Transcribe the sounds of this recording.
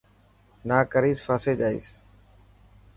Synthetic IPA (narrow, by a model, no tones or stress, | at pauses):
naːkəɾiːsfaːseːd͡ʒaːḭːs